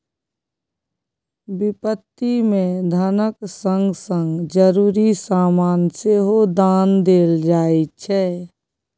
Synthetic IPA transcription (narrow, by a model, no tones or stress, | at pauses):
bɪpət̪ːimẽd̪ʱənəksə̃ŋɡsə̃ŋɡd͡ʒəɾuːɾisaːmaːnseɦod̪aːnd̪eːld͡ʒaːit͡ʃʰɛː